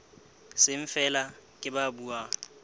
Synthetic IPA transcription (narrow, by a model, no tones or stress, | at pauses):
sɪɱ̩fɛlakʼɪbabuːa